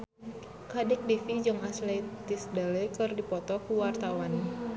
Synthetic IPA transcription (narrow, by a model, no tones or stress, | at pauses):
kadɛk̚difid͡ʒɔŋaslet̪isdalɛkɨrdipɔt̪ɔkuwart̪awan